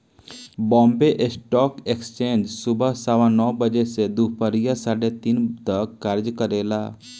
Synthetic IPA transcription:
bɔ̃ːmbeʔsʈɔːkekst͡ʃẽːnd͡ʒsʊbəsaʋãnɔːbəd͡ʒesed̪upəɾijasaːɽet̪int̪əkːaːɾd͡ʒkəɾeːlaː

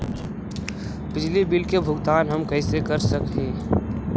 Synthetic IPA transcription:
pɪd͡ʒlibɪlkebʱʊɡt̪aːnɦəmkəɪsekəɾsəkẽː

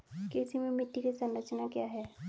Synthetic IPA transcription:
keːsimẽmɪʈːikisɐ̃nɾət͡ʃnakjaːɦɛː

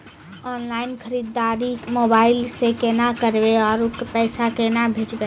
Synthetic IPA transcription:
ɔnlainkʰəɾid̪ːaɾikmobailsẽkenakəɾbeɔɾukpəjsakenabʱet͡ʃbe

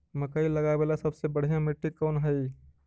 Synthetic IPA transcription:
mɐkəilɐɡabeːlasɐbsebɐɽ̤ijãmɪʈːikɔːnɦɛi

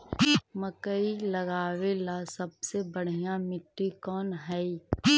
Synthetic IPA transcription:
məkəilɐɡaːwelasɐb̚sebəɽ̤ijãmɪʈːikɔːnɦɛi

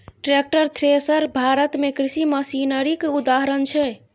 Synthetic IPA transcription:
ʈɾek̚ʈəɾt̪ʰɾesəɾbʱaɾət̪mekɾisiməsinəɾikud̪aɦɾənt͡ʃʰɛ

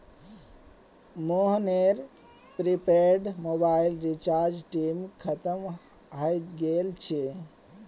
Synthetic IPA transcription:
moɦneɾ | pɾipeɖmobailɾit͡ʃaɾd͡ʒʈimkʰət̪əm | ɦəjt̪ɡelt͡ʃʰe

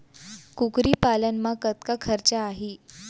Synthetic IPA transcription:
kukɾiːpalənmaət̪̚kakʰəɾt͡ɕaːɦi

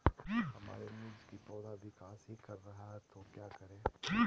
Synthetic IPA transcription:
hɐma̰ːɾenʊd͡ʒkit̪ɔːd̪aʋɪkaːsɦikɐɾːɐɦaɦɛt̪oːkjaːkɐɾẽː

